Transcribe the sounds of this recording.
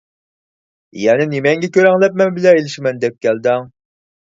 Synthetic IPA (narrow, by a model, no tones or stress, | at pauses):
jɛnɛnemɛŋɡʲɛkʲʰøɾɛŋlˠɛp̚mɛnbɪlɛelɪʃmɛnd̪ɛp̚kʲɛld̪ɛŋ